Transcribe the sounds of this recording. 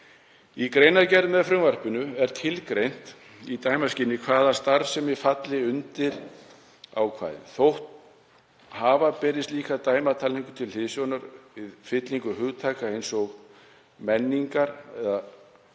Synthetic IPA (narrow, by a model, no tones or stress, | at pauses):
ikɾejnacɛɾðmɛðfɾʏŋvar̥pɪnʏɛɾ̥t̪ʰɪlkɾejn̥t̪ | it̪ajmascɪnːɪkʰvaːðast̪aɾsɛmvɪfat̪lɪʏnt̪ɪɾ | awkʰvaːðɪ̰nθowht̪ | haːvapɛːɾɪst̪liːkaðt̪aːjmat̪ʰaːliŋkʏ̥t̪ʰɪlhɪðsjownaɾvɪðfɪt̪liŋkʏɦʏɣt̪ʰaːkaejnsɔɣ | mɛnːiŋkaɾɛða